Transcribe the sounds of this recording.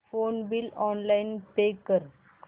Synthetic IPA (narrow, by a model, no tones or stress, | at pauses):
fonbilɔnlainpekəɾ